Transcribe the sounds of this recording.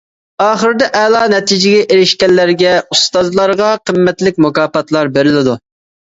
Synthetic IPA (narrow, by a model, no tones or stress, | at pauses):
ɑːχəɾɪd̪ɛʔɛlˠɑːnɛt̪ʰid͡ʒɪɡʲɛʔeɾɪʃkʲɛlːæɾɡʲɛust̪ɑzlˠɑɾʁɑqʰəmːɛt̪lɪk̚ʲmukɑːpɑt̪lˠɑɾbeɾɪlɪd̪u